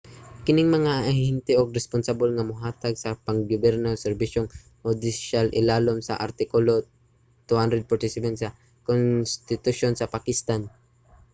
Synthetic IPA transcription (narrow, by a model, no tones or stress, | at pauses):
kɪnɪŋmɐŋahhɛnt̪ɛʔoɡ̚ɾɛspʊnsabɪlŋamʊɦaːt̪aɡsapaŋɡʊbɛɾnalsɛɾbiʃoŋ | hʊd̪ɪʃalʔɪ̰laːlomsa̰ʔa̰ɾt̪ɪkʊlo | t̪uhand̪ɾɛd̪̚paɾt̪ɪsɪpant̪sɐ | konst̪ɪt̪uʃonsɐpakɪst̪an